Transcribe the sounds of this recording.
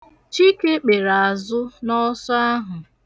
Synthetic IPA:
t͡ʃi˦ke˦k͡pe˨ɾa˨a˨zʊ˦nɔ˦sɔ˦a˦ɦʊ˨

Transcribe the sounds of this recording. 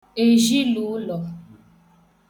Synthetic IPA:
e˨ʒi˦luː˨˦lɔ˨

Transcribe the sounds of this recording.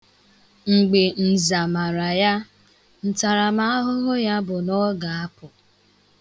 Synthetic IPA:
ŋ͡m̩˨ɡ͡be˨n̩˨za˨ma˨ɾa˨ja˦ | n̩˨ta˨ɾa˨ma˦a˦ɦʊ˦ɣʊ˦ja˦bʊ˨nɔ˦ɡa˨a˦pʊ˨

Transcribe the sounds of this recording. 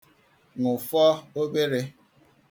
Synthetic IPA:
ŋʊ˨fɔ˦o˦ɡ͡be˦ɾe˦

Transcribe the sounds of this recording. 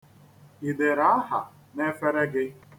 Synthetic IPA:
i˨de˨ɾa˨˦ɦa̰˨ | ne˦fe˦ɾe˦ɡɪ˦

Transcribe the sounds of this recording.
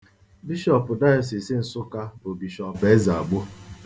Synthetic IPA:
bi˦ʃɔ˦˨pʊ˨da˦ɔ˨s̬i˨si˦n̩˨sʊ˦ka˦bʊ˨bi˨ʃɔ˨pe˦za˨a˨ɡ͡bʊ˦

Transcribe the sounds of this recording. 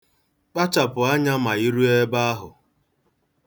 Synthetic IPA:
k͡pa˦t͡ʃa˨pʊ˨a˦ɲa˦ma˨i˦ɾu˦e˦ba˦a˦ɦʊ̰˨

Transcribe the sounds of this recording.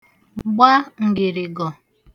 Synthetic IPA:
ɡ͡ba˦ŋ̩˨ɡɪ˨ɾɪ˨ɡɔ˨

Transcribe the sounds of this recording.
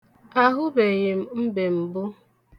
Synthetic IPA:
a˦ɦʊ˦be˨ɣɪ˨m̩˦m̩˦be˨m̩˨bʊ˦

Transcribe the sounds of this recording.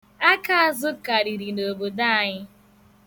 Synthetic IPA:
a˦ka˦a˦˨zʊ˦ka˨ɾi˨ɾi˨no˨bo˨da˦a˨ɲɪ˦

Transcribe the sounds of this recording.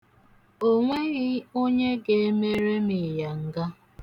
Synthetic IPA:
o˦ŋʷe˦ɣɪ˦o˦ɲe˦ɡe˨e˦me˦ɾe˦mi˨ja˨ŋ̩˦ɡa˦

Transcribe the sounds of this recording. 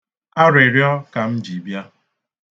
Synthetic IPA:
a˦ɾe˨ɾjɔ˦ka˨m̩˦d͡ʒi˨bja˦

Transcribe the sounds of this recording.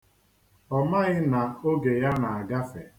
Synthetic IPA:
ɔ˦˨ma˦ɣɪ˦na˨o˦ɡe˨ja˦na˨a˨ɡa˦fe˨

